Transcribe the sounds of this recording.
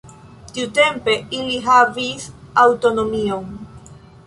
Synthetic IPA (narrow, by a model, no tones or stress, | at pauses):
tiute̞mpe̞iliɦavisawto̞no̞mio̞n